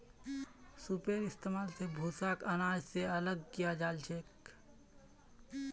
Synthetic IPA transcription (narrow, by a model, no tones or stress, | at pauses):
supeːɾɪst̪eːmaːlsebʱuːsaːkənaːd͡ʒseɐləɡkijad͡ʒaːlt͡ʃʰeːk